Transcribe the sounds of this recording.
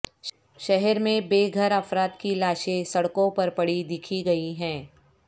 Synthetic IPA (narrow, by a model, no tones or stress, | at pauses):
ʃɛɦɛɾmẽbeːɡʱɐɾɐfɾaːt̪kilaːʃẽsɐɽkõpɐɾpɐɽid̪ɪkʰiɡɐiɦɛ̃ː